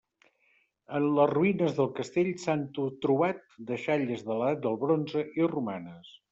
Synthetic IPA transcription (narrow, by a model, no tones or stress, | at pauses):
ənləzruinəzðəlˠkəst̪eʎsant̪ut̪ɾuβat̪̚d̪əʃaʎəzðələðat̪̚d̪əlˠβɾonzəʔirumanəs